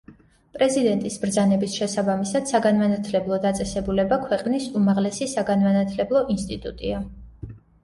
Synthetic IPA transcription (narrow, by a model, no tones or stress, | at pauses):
pʼɾɛzid̪ɛnt̪ʼisbɾd̪zanɛbisʃɛsabamisad̪̥saɡanmanat̪ʰlɛblˠɔd̪at̪sʼɛsɛbulɛbakʰwɛqʼnisumaʁlɛsisaɡanmanat̪ʰlɛblˠɔʔinst̪ʼit̪ʼṵt̪ʼḭa